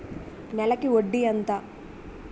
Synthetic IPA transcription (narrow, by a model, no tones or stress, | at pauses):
nɛlɐkioɖːiɐnt̪a